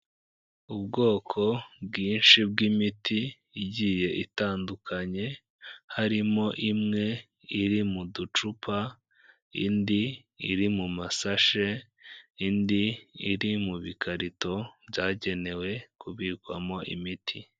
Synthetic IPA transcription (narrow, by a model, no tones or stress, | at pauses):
ubɡo̞ːkʰo̞bɡiːnʃib̚ɡimitiː | ɟiːje̞ʔitaːndukʰaɲe̞ | haɾimo̞ʔimŋe̞ | iɾimudut͡ʃupʰa | ḭndi | ḭɾimumasaʃe | indiiɾimuβikaɾito̞b̥ɟaːɟe̞ne̞we̞kuβiːkwa̰mo̞ʔḭmitʰi